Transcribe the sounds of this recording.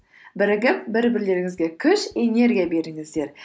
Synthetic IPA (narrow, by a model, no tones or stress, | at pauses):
bɪɾɪɡʲɪp̚bɪɾbɪɾle̞ɾɪŋɪzɡʲe̞kʲʰʏʃe̞ne̞ɾɡʲijabe̞ɾɪŋɪzd̪e̞ɾ